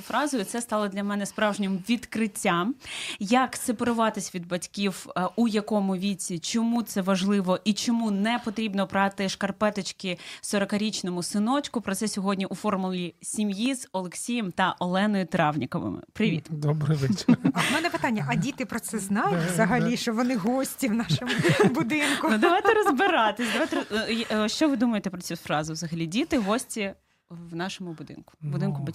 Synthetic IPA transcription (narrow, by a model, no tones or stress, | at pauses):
fɾɑzʊjʊt̪sɛst̪ɑlˠɔd̪lʲɐmɛnɛspɾɑwʒnʲɛmʋʲid̪kɾɪtʲːamjɐksepeɾʊʋɑt̪ɪsʲʋʲid̪̚bɐtʲkʲiwujɐkɔmʊʋʲit͡sʲːit͡ʃɔmut̪sɛʋɐʒlˠɪʋɔʔit͡ʃɔmunɛpɔt̪ɾʲibnɔpɾɑt̪ɪʃkɐrpɛt̪ɔt͡ʃkɪsɔɾɔkɐɾʲit͡ʃnɔmʊsɪnɔt͡ʃkʊpɾɔt̪sɛsʲɔɦɔdʲnʲiʔufɔrmʊlʲisʲimjiz̥ɔlˠeksʲijɛmt̪ɐʔɔlˠɛnɔjʊt̪ɾɑwnʲikɔʋɪ̰mɪ̰pɾɪʋʲḭt̪d̪ɔbɾɪʋɪt͡ʃmɛnɛpɪt̪anʲːɐʔɐdʲit̪ɪpɾɔt̪sɛznɑjʊtʲʋzɐɦɐlʲiʃt͡ʃɔʋɔnɪɦɔsʲtʲiwnɑʃomʊbʊd̪ɪnkʊnud̪ɔʋɑjt̪ɛɾɔzbɪɾɑt̪ɪsʲd̪ɐʋajt̪ejʃt͡ʃɔʋɪd̪umɐjet̪ɛpɾɔt͡sʲifɾɑzɪʋzɐɦɐlʲidʲit̪ɪɦɔsʲtʲi | wnɑʃɔmʊbʊd̪ɪ̰nkʊ̥bʊd̪ɪnkʊbɐtʲ